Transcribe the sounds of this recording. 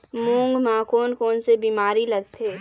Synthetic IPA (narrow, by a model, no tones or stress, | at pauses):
mũːŋɡmãːkoːnkoːnsebiːmaːɾilɐɡ̚t̪ʰeː